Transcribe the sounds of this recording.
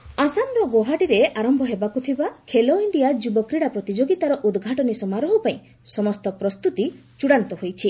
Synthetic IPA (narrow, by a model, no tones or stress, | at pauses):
asamɾɔɡoɦaɖiɾeaɾɔmbʱɔɦebakut̪ʰibakʰeloiɳɖijad͡ʒubɔkɾiɽapɾɔt̪id͡ʒoɡit̪aɾɔʔud̪ɡʱaʈɔnisɔmaɾɔɦupaĩ | sɔmɔst̪ɔpɾɔst̪ut̪it͡ʃuɽant̪ɔɦojt͡ʃʰi